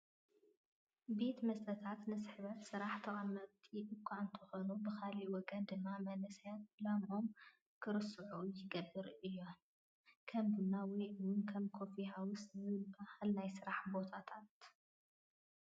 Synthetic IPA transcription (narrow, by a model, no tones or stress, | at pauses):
be̞t̪mɐst̪ʰɐt̪ʰat̪nɨsɨħβɐt̪sɨɾaħt̪ʰɐʔʼɐmːɐβt̪ʰiʔɨkʷʰːaɨnt̪ʰɐxo̞nubɨxaliwɔɡɐnd̪ɨmːamɐnɨsɐjat̪̚lamʔo̞m | kʰɨɾɨsɨʕujɪɡɐbːɨɾʔɨjːo̞n | kʰɐmbunawɔjʔɨwnkʰɐmkʰo̞fihawʊszɨbahalnajsɨɾaħbot̪ʰat̪ʰat̪